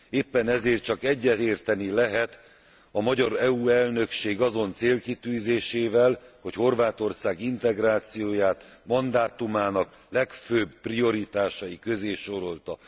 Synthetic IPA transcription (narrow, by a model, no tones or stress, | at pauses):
eːpːɛnɛzeːrt̪̚t͡ʃɒkɛɟːɛt̪eːrt̪ɛnilɛɦɛt̪ | ɒmɒɟɒɾɛuːɛlnø̞kʃeːɡɒzo̞nt̪seːlkit̪yːzeːʃeːvɛlho̞cho̞rvaːt̪o̞rsaːɡint̪ɛɡraːt̪sijoːjaːt̪mɒnd̪aːt̪umaːnɒk | lɛkføbprio̞ɾit̪aːʃɒikøzeːʃo̞ɾo̞lt̪ɒ